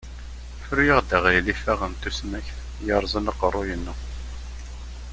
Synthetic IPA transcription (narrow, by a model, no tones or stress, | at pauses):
fɾujəʁd̪əʁjlifæʁənt̪usmæçθ | jɑɾˤzˤənɑqərˤːʊjənːə